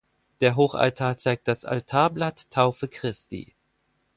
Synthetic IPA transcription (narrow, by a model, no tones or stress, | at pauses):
d̥eːɐɦoːxa̰ltʰaːɐt͡saɪk̚t̚d̥asʔa̰ltʰaːɐblatʰːaʊfəkʁ̥ɪstḭ